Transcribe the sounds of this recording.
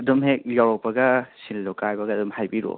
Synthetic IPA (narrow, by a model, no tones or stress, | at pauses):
ɐdumɦek̚jawɾɔk̚pɐɡɐsinlɔkajbɐɡɐːdɔmhajbiɾo̰